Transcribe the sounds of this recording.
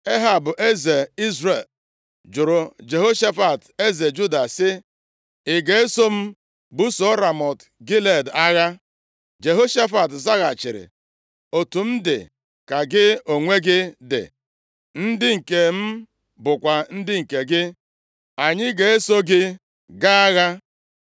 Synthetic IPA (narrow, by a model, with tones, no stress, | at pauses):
e˦ɦa˨bʊ˨ʔe˦ze˨i˦zre˨l | d͡ʒʊ˨ɾʊ˨d͡ʒe˨ɦo˦ʃa˦fa˨te˦ze˨d͡ʒu˦da˨sɪ˦ | ɪ˨ɡe˨e˦so˦m̩˦ | bu˦so˨˦ɾa˨mɔ˨t | ɡi˦le˨da˦ɣa˦ | d͡ʒe˨ɦo˦ʃa˦fa˨tza˦ɣa˨t͡ʃɪ˨ɾɪ̰˨ | o˨tu˨m̩˦dɪ̰˨ | ka˨ɡɪ˦o˨ŋʷe˦ɡɪ˦dɪ̰˨ | n̩˦dɪ˦ŋ̩˨ke˨m̩˦ | bʊ˨kʷa˨n̩˦dɪ˦ŋ̩˨ke˨ɡɪ˦ | a˨ɲɪ˦ɡe˨e˦so˦ɡɪ˦ | ɡa˦a˦ɣa˦